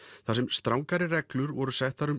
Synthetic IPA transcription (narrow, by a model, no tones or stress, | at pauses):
θasɛmst̪ɾawŋkaɾɪrɛklʏɾvɔɾʏsɛht̪aɾʏm